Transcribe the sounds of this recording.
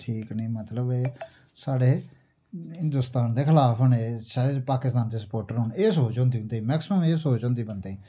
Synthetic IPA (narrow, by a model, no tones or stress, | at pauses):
ʈʰiːkniːmət̪ləbeː | saːɽeː | ɦɪ̃nd̪ʊst̪aːnd̪eːkʰɪlaːpʰʊneʃaːd͡ʒpaːkɪst̪aːnt̪eːsə̥poːɾʈəɾɦʊneːsoːt͡ʃɔ̃ːnd̪iːʊ̃nd̪eiːmɛːksɪməmeːsoːt͡ʃɔ̃ːnd̪iːbənd̪eĩː